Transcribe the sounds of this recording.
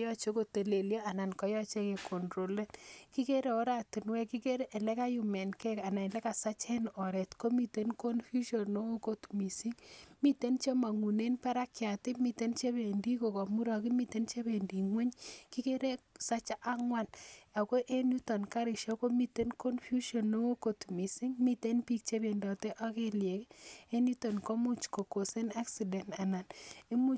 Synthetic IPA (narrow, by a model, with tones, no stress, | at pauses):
jɔ˦t͡ʃe˦ko˨te˨le˨ljɔ˦a˨na˨nkɔ˨˦jɔ˦t͡ʃe˦ke˨ko˨ndɾo˨le˦tki˦ke˦ɾe˨o˦ɾa˨ti˨nwɛ˦ki˦ke˦ɾe˦ʔe˨le˦ka˦ju˨mɛ˨nkɛ˦ka˨na˨le˦ka˨sa˦t͡ʃɛ˦nɔ˨ɾɛ˨tko˦mi˨te˦nko˦nfu˦ʃo˨no˦o˦ko˦tmi˨si˦ŋmi˦te˦nt͡ʃe˦ma˨ŋu˨ne˦npa˦ɾa˦kja˨tɪ˦mi˨te˦nt͡ʃe˦be˨ndi˦ko˨kɔ˨mu˦ɾɔ˨ki˦mi˦˨te˦nt͡ʃe˦be˨ndi˨ŋwɛ˦ɲki˦ke˦ɾe˦ksa˦t͡ʃa˦ʔa˦ŋwa˦la˨ko˦ʔe˦nju˦tɔ˨nka˦ɾɪ˨ʃɔ˦ko˦mi˦te˦nko˦nfju˦ʃɔ˨nːo˦wo˦ko˨tmi˨si˦ŋmi˦te˦npi˦k̚t͡ʃe˦be˨ndɔ˨te˦ʔa˦ke˦lje˨ke˦nju˦to˨nko˦mu˦t͡ʃko˨ko˨se˦na˦ksi˨dɛ˨nta˨na˨ne˦mu˦